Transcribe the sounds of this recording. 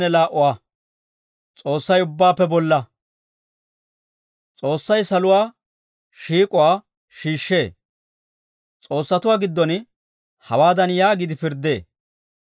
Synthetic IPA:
nɛlaːʔʊwaː | t͡sʼo̞ːsːɐjʊbːaːpːɛbɔlːɐ | t͡sʼo̞ːsːɐjsɐlʊwaː | ʃiːkʼʊwaː | ʃiːʃːe̞ː | t͡sʼo̞ːsːɐt̪ʊwaːɡɪd̪ːɔn | hɐwaːd̪ɐnjaːɡɪd̪ɪpɪɾd̪ːe̞̰ː

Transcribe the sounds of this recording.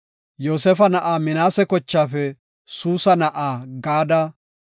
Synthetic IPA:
joːsɛfɐnɐʔaːmɪnaːsɛkɔt͡ʃːaːfɛ | suːsɐnɐʔaːɡaːd̪ɐ

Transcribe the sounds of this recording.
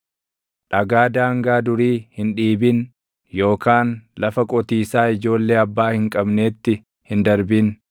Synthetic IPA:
ᶑɐɡaːd̪aːŋɡaːd̪ʊɾiːhɪnᶑiːbɪn | jo̞ːkaːnlɐfɐkʼɔt̪iːsaːɪd͡ʒo̞ːlːe̞ːɐbːaːhɪŋkʼɐbne̞ːt̪ːɪ | hɪnd̪ɐɾbɪn

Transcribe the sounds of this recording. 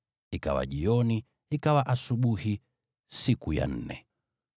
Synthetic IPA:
ika̰wa̰ʄiɔni | ikawaʔasuɓuhi | sikuja̰n̩nɛ

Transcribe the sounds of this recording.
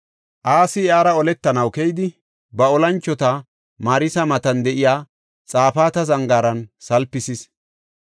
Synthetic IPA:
ʔaːsɪaːɾɐɔlɛt̪ːɐnɐwkɛjd̪ɪ | bɐɔlɐnt͡ʃːɔt̪ɐ | maːɾɪsɐmɐt̪ɐnd̪ɛʔɪjaː | t͡sʼaːfaːt̪ɐzɐŋɡaːɾɐnsɐlpːɪsɪs

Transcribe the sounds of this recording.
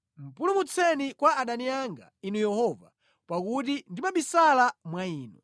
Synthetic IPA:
m̩pulumut͡sʰɛnikwaːɗaniaŋɡa̰inujɛhɔva̰ | pakutindimaɓisalamwaiːnṵ

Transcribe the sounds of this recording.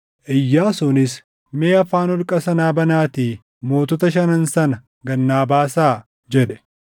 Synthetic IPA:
ʔɪjːaːsɔnɪs | meːɐfaːnɔlkʼɐsɐnaːbɐnaːt̪iː | mo̞ːt̪ɔt̪ɐʃ̬ɐnɐnsɐnɐ | ɡɐnːaːbaːsaː | d͡ʒɛᶑɛ̥

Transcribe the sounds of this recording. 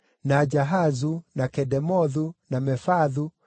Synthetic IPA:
nad͡ʒaɦazunakɛdɛmɔðunamɛfaðu

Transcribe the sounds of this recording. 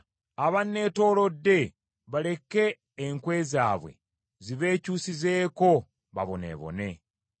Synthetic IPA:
aβanːe̞ːto̞ːlo̞dːe̞ | βale̞ke̞ː | ŋkwe̞ːzaːβwe̞̰ | ziβe̞ːcuːsize̞ːko̞ | βa̰βo̞ne̞̰ːβo̞̰ne̞

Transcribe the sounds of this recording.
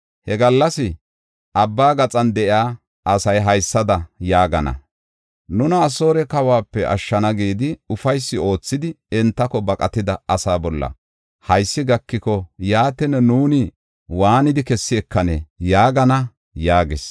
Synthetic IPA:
hɛɡɐlːɐsɪ | ʔɐbːaːɡɐt͡sʼɐnd̪ɛʔɪaː | ʔɐsɐjɦɐjsːɐd̪ɐjaːɡɐnɐ̰ | nʊnɐːso̞ːɾɛkɐwaːpːɛʔɐ̰ʃːɐnɐɡiːd̪ɪʊfɐjsːɪo̞ːt͡sːɪd̪ɪ | ɛnt̪ːɐkɔbɐkʼɐt̪ɪd̪ɐɐsaːbɔlːɐ̰ | hɐjsːɪɡɐkːɪkɔjaːt̪ɛnɛnuːnɪ | waːnɪd̪ɪkɛsːɪɛkːɐnɛjaːɡɐnɐ | jaːɡɪs

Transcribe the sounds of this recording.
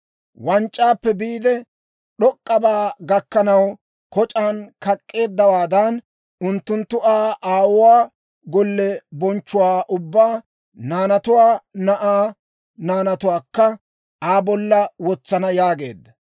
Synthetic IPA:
wɐnt͡ʃʼːaːpːɛbiːd̪ɛ | ɗɔkʼːɐbaːɡɐkːɐnɐw | kɔt͡ʃʼaːnkɐkʼːe̞ːd̪ːɐwaːd̪ɐn | ʊnt̪ːʊnt̪ːʊʔaːʔaːwʊwaː | ɡɔlːɛbɔnt͡ʃːʊwaːʔʊbːaː | naːnɐt̪ʊwaːnɐʔaː | naːnɐt̪ʊwaːkːɐ | aːbɔlːɐwɔt͡sːɐnɐjaːɡe̞̰ːd̪ːɐ

